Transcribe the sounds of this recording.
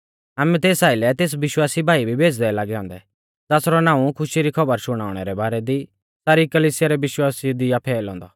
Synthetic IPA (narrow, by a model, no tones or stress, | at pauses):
aːmɛ̃t̪eːsaːilɛt̪eːs̬ʋɪʃwaːsibʱaːibʱibʱeːd͡ʒd̪ɛlaːɡɛɦɔ̃ːnd̪ɛ | d͡zasɾɔnãːũkʰʊʃiɾikʰɐbəɾsʊɽ̃aːʊɽ̃ɛɾɛbaːɾɛd̪i | saːɾikɐliːsɪjaɾɛʋɪʃwaːsid̪iapʰɛːlɦɔ̃ːnd̪a